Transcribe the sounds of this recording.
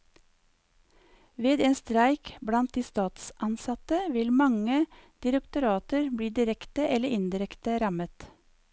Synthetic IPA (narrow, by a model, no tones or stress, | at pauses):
ʋeːd̪eːnst̪ɾæɪkbɽɑnt̪̚d̪iːst̪ɑːt̪sʔɑnsɑt̪əʋɪlmɑŋəd̪̥ɪɾəkt̪ʊɾɑːt̪əɾbɽiːd̪ɪɾɛkt̪əʔɛləɾɪnd̪ɪɾɛkt̪əɾɑmət̪